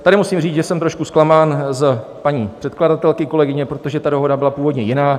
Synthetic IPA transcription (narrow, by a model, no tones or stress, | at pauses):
t̪adɪmusiːmriːt͡sʒɛsɛmt̪ɾo̞ʃkusklamaːnz | paɲiːpr̥ɛt̪kladat̪ɛlkɪko̞lɛɡɪɲɛpɾo̞t̪o̞ʒɛt̪ado̞ɦo̞dabɪlapuːvo̞dɲɛjɪnaː